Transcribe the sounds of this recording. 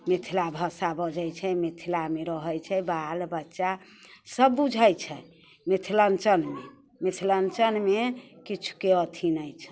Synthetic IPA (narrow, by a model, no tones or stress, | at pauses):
met̪ʰilabʱəsabəd͡ʒəjt͡ʃʰɛmet̪ʰilameɾəɦəjt͡ʃʰɛbalbətːʃa | səbːud͡ʒʱəjt͡ʃʰɛ | met̪ʰilənt͡ʃənme | met̪ʰilənt͡ʃənmekit͡ʃʰu̥keət̪ʰinəjt͡ʃʰɛ̥